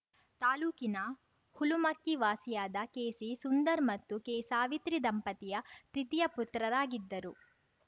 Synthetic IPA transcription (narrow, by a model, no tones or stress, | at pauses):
t̪aːluːkinɐ | hulumɐkːiʋaːsijaːd̪ɐkeːsisund̪ɐɾmɐt̪ːukɛːsaːʋit̪ɾid̪ɐmpɐt̪ijɐp̪ɾit̪ijɐput̪ːɾɐɾaːɡid̪ːɐɾu